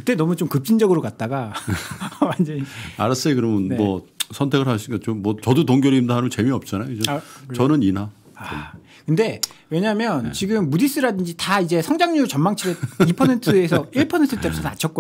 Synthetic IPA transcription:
kɯt͈e̞nʌmut͡ɕomkɯp̚t͡ɕ͈ind͡ʑʌɡɯɾokat̚t͈aɡa | wand͡ʑʌɲia̰ɾas͈eikɯɾʌmʌnnmwʌsʰʌntʰe̞ɡɯɭhaɭɕʰiɡat͡ɕ͈omːwʌt͡ɕʌdotoŋɡjʌɾindaanɯmʌt͡ɕe̞miʌp̚t͡ɕ͈anajod͡ʑot͡ɕʌnɯninɦa | a | kɯnde̞we̞ɲamjʌnt͡ɕiɡɯmːudis͈ɯɾadɯnd͡ʑitaid͡ʑe̞sʰʌŋd͡ʑaŋɲut͡ɕʌmmaŋt͡ɕʰiɾeipʰʌsʰe̞ntʰɯe̞sʰʌiɭpʰʌsʰentʰɯt͈ʰepusʰʌnat͡ɕʰʌk͈o

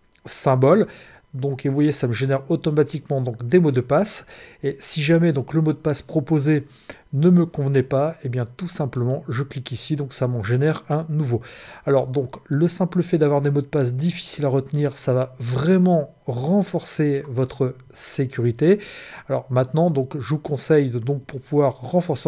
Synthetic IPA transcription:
sɛ̃bɔl | d̪ɔ̃kevwajesaməʒenɛʁot̪ɔmat̪ikmɑ̃d̪ɔ̃kd̪emod̪əpasesiʒamɛd̪ɔ̃kləmod̪əpaspχɔpoze | nəməkɔ̃vnɛpaebjɛ̃t̪usɛ̃pləmɑ̃ʒəklikisid̪ɔ̃ksamɑ̃ʒenɛʁɛ̃nuvoalɔʁd̪ɔ̃kləsɛ̃pləfɛd̪avwaʁd̪emod̪əpasd̪ifi̥silaʁət̪niʁsavavʁɛmɑ̃ | ʁɑ̃fɔʁsevɔt̪χə | sekʲyʁit̪ealɔ̰ʁmɛ̃t̪nɑ̃d̪ɔ̃kʒəvukɔ̃sɛjd̪ɔ̃k̚puʁpuvwaʁːɑ̃fɔʁse

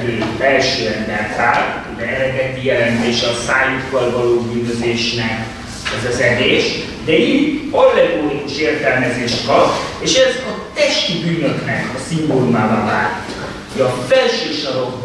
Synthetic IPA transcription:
øːbɛlʃøːɛmbɛrt̪aːlud̪ɛɛlɛɡɛt̪ijɛlɛnt̪eːʃɛɒsaːjut̪kɒlvɒloːbyːnøzeːʃnɛk | ɛzɒzɛd̪eːʃ | d̪ɛit̪olːɛɡoːnkuʃeːrt̪ɛlmɛzeːʃt̪kɒpːeːʃɛzɒt̪ɛʃt̪ibyːnøknɛkɒsimbonumaːvavaːt̪ːuk | ɒfɛlʃøːʃɒɾoɡ

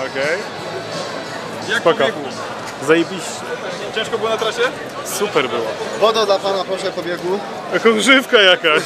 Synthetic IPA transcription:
ɔkɛj | jpaka | zajebʲiɕt͡ɕɛ̰ | t͡ɕɛ̃ʂkɔbɘwɔnat̪ɾaɕɛ | supɛɾbɘwɔvɔd̪ad̪lapanapɾɔʂɛpɔbʲjɛɡwu | jakɔ̃ɡʐɘfkajaka

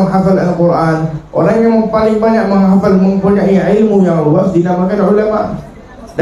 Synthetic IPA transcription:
ŋɦafalalkurʔanʔo̰ɾaŋjaŋməmpalɪŋbaɲaʔ̚məŋɦafalməŋpuɲaʔiʕilmujaŋluasdinamakanʕulamaʔ | d

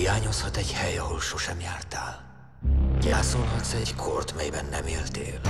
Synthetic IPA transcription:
ijaːɲo̞shɒt̪ɛɟhɛjɒɦo̞lʃoʃɛmjaːrt̪aːl | ɟɛːsolɦɒt̪sɛɟkʰort̪mɛjbɛnːɛmeːlt̪ḛːl

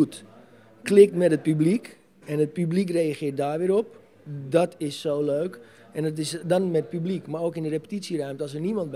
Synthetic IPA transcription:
ut | klɪk̚tmɛtət̚pyblik | ɛnət̚pyblik̬rejaχɪət̚daːrʋɪəɾɔp̚ | dɔtɪsːowløːk | ɛndtɪsdɔnmɛtt̚pyblikmaɾoːkɪndərepə̥titsjirœɥmtəɔs̬ənimɔnt̚b

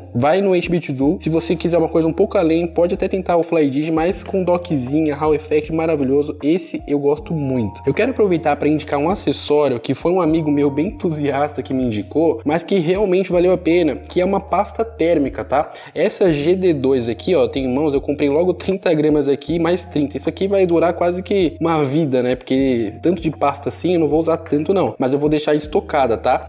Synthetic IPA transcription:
vajnʊejt͡ʃbit͡ʃid̪usɪvosekizɛɾũmɐkojzɐũpowkʊalẽj̃pɔd͡ʒɪat̪ɛt̪ẽnt̪aɾʊflajd͡ʒid͡ʒɪ̃mɐjskõd̪ɔkɪzĩɲɐɦawefɛt͡ʃɪmaɾaviʎozʊesɪewɡɔst̪ʊmũj̃t̪ʊ̥ewkɛɾʊapɾovejt̪aɾpɾɐĩnd͡ʒikaɾũasesɔɾjʊkɪfojũamiɡʊmewbẽj̃ẽt̪uziast̪ɐkɪmɪĩnd͡ʒikomɐskɪɦeawmẽnt͡ʃɪvalewapẽnɐkɪɛũmɐpast̪ɐt̪ɛɾmikɐt̪a | ɛsɐʒed̪ed̪ojzakʰiɔt̪ẽj̃ʊmɐ̃w̃sewkõmpɾejlɔɡʊt̪ɾĩnt̪ɐɡɾɐ̃mɐzakʰimajst̪ɾĩt̪ɐisʊakivajd̪uɾakwazɪkɪũmɐvid̪ɐnɛpoɾket̪ɐ̃nt̪ʊd͡ʒɪpast̪ɐsĩewnɐ̃w̃vouzaɾt̪ɐ̃nt̪ʊnɐ̃w̃mɐzewvowd̪ejʃaɾɪst̪okad̪ɐt̪a

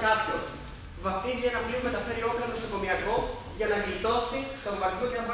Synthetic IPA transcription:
kɐpço̞s | vɐft̪izienɐpliume̞t̪ɐfe̞ɾio̞plonoso̞ko̞miɐko̞ | ʝɐnɐmilt̪o̞sit̪ombɐɾt̪çot̪eɐmp

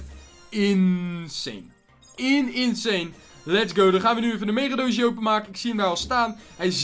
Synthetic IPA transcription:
ɪnsḛn | ɪnɪnsejn | lɛtsɡowdɔχaːnʋənyefəndəmejrədowsjowp̬ənmaːkənɪksiəndaːɔlˠstaːnɦɛjz

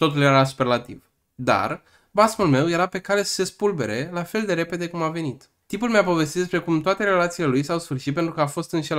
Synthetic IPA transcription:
t̪o̞t̪uljeɾasu̥perlat̪ḭv | d̪a̰r | basmulme̞wje̞ɾape̞kaɾe̞sə̥se̞spulbe̞̰ɾe̞lafe̞ld̪e̞ɾe̞pe̞d̪e̞kumave̞nit̪ | t̪impulmeapo̞ve̞s̬t̪id̪d̪es̬pɾe̞kumt̪oat̪e̞ɾe̞lat̪siːle̞lujsawsfɨrʃit̪p̬e̞nt̪ɾukəafo̞st̪ɨnʃel

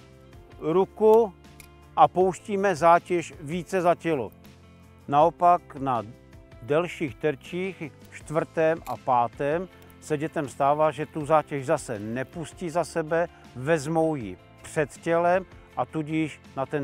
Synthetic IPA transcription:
ɾuku | ʔapo̞wʃciːmɛzaːcɛʃviːt͡sɛzacɛlo̰ | naopakna | dɛlʃiːxt̪ɛɾt͡ʃiːx | ʃt̪vr̩t̪ɛmʔapaːt̪ɛm | sɛɟɛt̪ɛmst̪aːvaːʒɛt̪uzaːcɛʒzasɛnɛpuscizasɛbɛ | vɛzmowjɪ | pr̝̥ɛt̪cɛlɛm | ʔat̪uɟɪʃnat̪ɛn

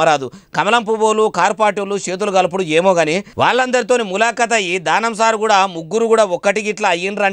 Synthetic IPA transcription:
ɐɾaːd̪ukɐmɐlɐmp̬uboːlukaːɾpaːʈoːlut͡ʃe̞ːt̪̬uluɡɐlɐp̬uɽueːmoːɡɐniʋa̰ːɭːɐnd̪ɐɾit̪o̞ːnimulaːkɐt̪̬ɐjid̪aːnɐmsaːɾikuːɽaːmuɡːuɾuɡuːɽaːɔkːɐʈiɡiʈlɐːjːinɾɐ

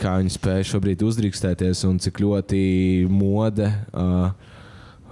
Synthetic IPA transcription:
kʰaːʋiɲspɛːjʃuɔbɾiːd̪ʲuzd̪ɾiːkst̪ɛːt̪iɛsʊnt̪siklʲuɔt̪imuɔd̪ɛ

